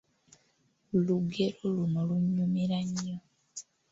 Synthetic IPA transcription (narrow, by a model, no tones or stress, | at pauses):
luɡe̞lolumoluɲːumeɾaɲːo